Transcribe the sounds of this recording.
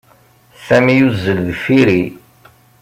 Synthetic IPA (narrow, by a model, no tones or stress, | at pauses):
sæmijuzːəlðfiɾi